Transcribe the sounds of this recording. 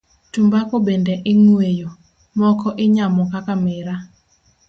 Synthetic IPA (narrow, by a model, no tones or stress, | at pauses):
tumbakobendeʔɪŋwejo | mɔkɔʔɪɲamɔkakamɪɾa